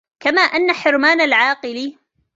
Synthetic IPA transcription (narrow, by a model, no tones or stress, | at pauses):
kamaːʔanːaħɪɾmaːnalʕaːqɨli